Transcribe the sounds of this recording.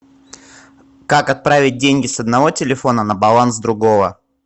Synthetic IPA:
kakɐt̪̚pɾavʲɪt̚ʲdʲenʲɡʲɪsəd̪nɐvo̞tʲɪlʲɪfo̞nənəbɐlˠansd̪ɾʊɡo̞və

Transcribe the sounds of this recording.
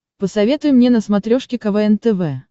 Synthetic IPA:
pəsɐvʲe̞t̪ʊjʊmnʲenəsmɐt̪ɾʲoʂkʲɪkɐvɛɛnt̪ɛvɛ

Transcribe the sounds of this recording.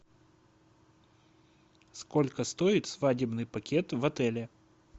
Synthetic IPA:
sko̞lʲkəst̪oɪt̪svadʲɪbnɨjpɐkʲet̪vɐt̪ɛlʲɪ

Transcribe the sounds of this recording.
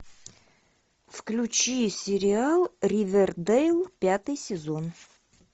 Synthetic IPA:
fklʲut͡ɕisʲɪɾʲɪalˠrʲivʲerd̪ejlˠpʲat̪ɨjsʲɪzon

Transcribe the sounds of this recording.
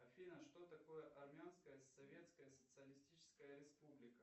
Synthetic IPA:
ɐfʲinəʂt̪ot̪ɐko̞jəʔɐrmʲɪanskəjəssɐvʲe̞t̪skəjəsə̥t̪sɨɐlʲɪsʲtʲit͡ɕɪ̥skəjəɾʲɪspublʲɪkə

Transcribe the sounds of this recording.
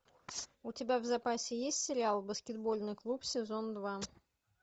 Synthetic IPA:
ʊtʲɪbʲavzɐpasʲɪjesʲtʲsʲɪɾʲɪalˠbəskʲɪd̪bo̞lʲnɨjklˠupsʲɪzo̞nd̪va

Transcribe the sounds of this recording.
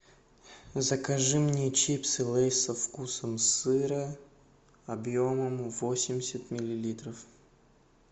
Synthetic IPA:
zəkaʐɨmnʲɪjt͡ɕipsɨlˠɛjsəfkusəmsɨɾə | ɐbjoməmvosʲɪmʲɪsʲət̪mʲɪlʲɪlʲit̪ɾəf

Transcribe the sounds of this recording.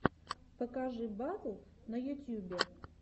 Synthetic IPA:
pɐkaʐɨbatu | nɐjʊt̪ʲjubʲɛ

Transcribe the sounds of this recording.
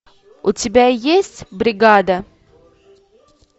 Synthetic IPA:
ʊtʲɪbʲajesʲtʲbɾʲɪɡad̪ə

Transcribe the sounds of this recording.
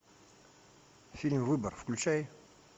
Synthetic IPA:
filmvɨbəɾfklut͡ʃæj

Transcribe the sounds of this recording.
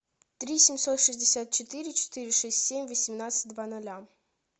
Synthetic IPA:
t̪ɾʲisʲɪmʲsot̪ʂɨzʲdʲɪsʲat̪̚t͡ɕɪt̪ɨɾʲɪt͡ɕɪ̥t̪ɨɾʲɪʂɛsʲtʲsʲemʲvəsʲɪmnat̪sɨ̥t̚ʲd̪vanɐlʲa

